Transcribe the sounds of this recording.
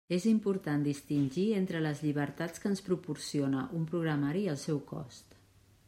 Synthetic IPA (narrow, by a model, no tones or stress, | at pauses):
ezimpuɾt̪and̪ist̪inʲʒient̪ɾələzʎiβ̞əɾt̪at͡skəːnspɾupuɾsionəʔumpɾuɣɾəmaɾiəlˠsɛwkɔ̰st̪